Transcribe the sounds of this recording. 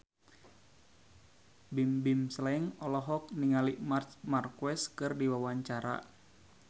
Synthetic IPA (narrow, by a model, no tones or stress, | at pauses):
bimbimslɛŋɔlɔɦɔk̚niŋalimartmarkuwɛskɨrdiwawaɲt͡ʃaɾa̰